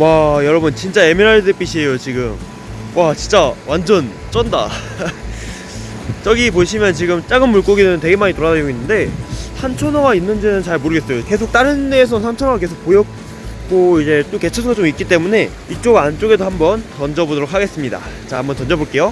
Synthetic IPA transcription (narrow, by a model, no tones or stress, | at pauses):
wajʌɾʌbɯnt͡ɕint͡ɕ͈ae̞miɾaɭdep͈iɕʰie̞jot͡ɕiɡɯm | wat͡ɕint͡ɕ͈awand͡ʑʌn | t͡ɕ͈ʌnda̰ | t͡ɕ͈ʌɡipoɕʰimjʌnt͡ɕiɡɯmt͡ɕ͈aɡɯnːuɭk͈oɡinɯɯnt̬we̞ɡemaɲitoɾadaoɡinːɯnde̞sʰant͡ɕʰʌnʌɡainːɯnd͡ʑinɯnt͡ɕaɭmoɾɯɡe̞s͈ʌjoke̞sʰok̚t͈aɾɯnːeːs̬ʰʌnnsʰant͡ɕʰʌnʌake̞sʰo̥k̚p͈ojʌk̚ | k͈oid͡ʑe̞t͈oke̞t͡ɕʰʌsʰoŋɡat͡ɕ͈omik͈it͈e̞mune̞ | it͡ɕ͈oɡant͡ɕ͈oɡe̞dohambʌntʌnd͡ʑʌbodoɾokʰaɡe̞s͈ɯmɲida̰t͡ɕaa̰mbʌnt͡ɕʌnd͡ʑʌboɭk͈e̞jo